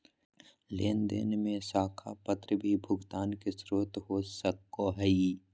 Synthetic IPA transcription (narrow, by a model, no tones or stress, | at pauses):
leːnd̪ḛnmẽsaːkʰapət̪ɾəbʱibʱʊɡt̪aːnkesɾoːt̪ɦoːsəkːoɦɛi